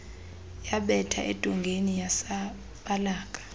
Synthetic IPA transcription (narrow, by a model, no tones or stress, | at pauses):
jaɓɛtʰa̰ʔḛd̥ʱuŋɡʱenijasa | ɓalaːk̬ʼḁ